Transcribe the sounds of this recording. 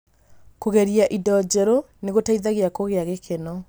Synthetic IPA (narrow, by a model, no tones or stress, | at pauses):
koɣɛɾiaʔidɔd͡ʑɛɾo | neɣotaiðaɣeakoɣeaɣekʰenɔ